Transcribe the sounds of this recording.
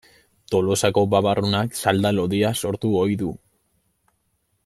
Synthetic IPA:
t̪o̞lo̞sako̞baβarunaksald̪alo̞ðiaso̞ɾt̪uo̞jðu

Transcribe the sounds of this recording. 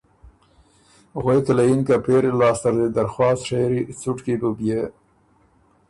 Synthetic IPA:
ɣweklajinkapeɾelɑːst̪aɾd̪ed̪aɾxwɑːsʂeɾit͡suʈkibubjə

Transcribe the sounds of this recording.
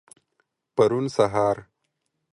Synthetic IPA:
paɾunsaɦɑːɾ

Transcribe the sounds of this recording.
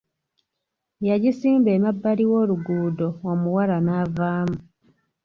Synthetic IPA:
jaɟisiːmbeːmabːaliwo̞ːluɡuːdo̞womuwalanavaːmu

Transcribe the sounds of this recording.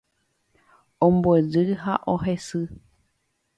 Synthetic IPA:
õmboed͡ʒɨɦaʔoɦe̞sɨ

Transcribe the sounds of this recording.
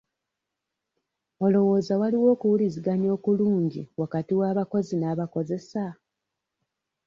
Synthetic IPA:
o̞lo̞wo̞ːzawaliwo̞ːkuwuliziɡaɲo̞ːkuluːɲɟḭwakatiwaːβako̞zinaːβako̞ze̞sa

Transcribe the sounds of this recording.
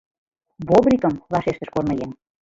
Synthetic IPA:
βobrʲikə̆mlɑʃeʃt̪ə̆ʃkornɤjen

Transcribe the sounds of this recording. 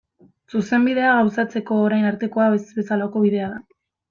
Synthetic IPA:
suse̞mbiðe̞aɣawsat͡se̞ko̞ːɾajnaɾt̪e̞ko̞aβesβe̞salako̞βiðe̞aða

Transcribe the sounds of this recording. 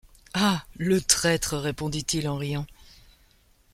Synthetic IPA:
alət̪χɛt̪χəʁepɔ̃d̪it̪ilɑ̃ʁijɑ̃

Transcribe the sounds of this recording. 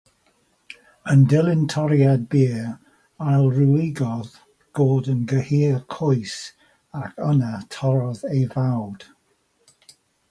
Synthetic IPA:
əndɛlˠɪntʰɔɾjad̚biə | ajlˠruɪɡɔð | b̥oːdənɡəhiːlkʰɔjs | akʰənatʰɔɾɔðejvawd̥

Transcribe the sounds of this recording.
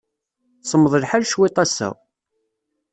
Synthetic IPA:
sˤəmːðˤəlħalʃwɪt̪ˤæsæ̰

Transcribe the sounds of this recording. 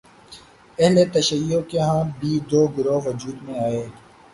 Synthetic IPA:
ɛɦlet̪ɐʃəjːokeɦãːbiːd̪oːɡʊɾoːʋɐd͡ʒuːd̪mẽaːeː

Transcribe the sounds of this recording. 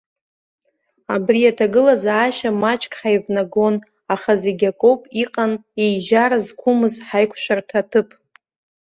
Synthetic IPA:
abrijatʰaɡɨlazaːʃamat͡ʃʼkʼħajvnaɡo̞n | aχazeɡʲakʼopʼiqʼanejʒaɾazkʷʰʊmɨzħajkʷʰʃʷᶣartʰatʰɨpʼʰ

